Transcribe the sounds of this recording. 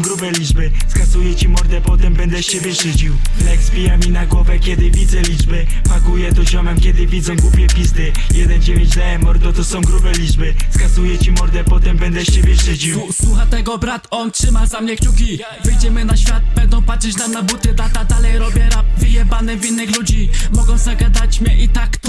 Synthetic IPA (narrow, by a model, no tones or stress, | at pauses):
ɡɾubɛlʲid͡ʐbɘskazujɛt͡ɕimɔɾd̪ɛpɔt̪ɛmbɛnd̪ɛɕt͡ɕebʲjɛʂɘd͡ʑiwlɛɡzbʲijamʲinaɡwɔvɛkʲjɛd̪ɘvʲid̪zɛlʲid͡ʐbɘmaɡujɛt̪ɔʑɔmɛmkʲjɛd̪ɘvʲid̪zɔ̃w̃ɡwupʲjɛpʲizd̪ɘ | jɛd̪ɛnd͡ʑevʲjeɲd͡ʑd̪ɛɛmɔɾt̪ɔt̪ɔsɔ̃w̃ɡɾubɛlʲid͡ʐbɘskazujɛt͡ɕimɔɾd̪ɛpɔt̪ɛmbɛnd̪ɛʃt͡ɕebʲjɛʂɘd͡ʑiswuxat̪ɛɡɔbɾat̪ɔntʂɘmazamɲɛkt͡ɕukʲi | vɘjd͡ʑɛmɘnaɕfʲjat̪̚bɛnd̪ɔ̃w̃patʂɛt͡ɕnamnabut̪ɘd̪at̪ad̪alɛjɾɔbʲjɛɾavɘjɛbanɪvʲinːɘxlud͡ʑimɔɡɔ̃w̃zaɡad̪at͡ɕmɲɛʔit̪ak̪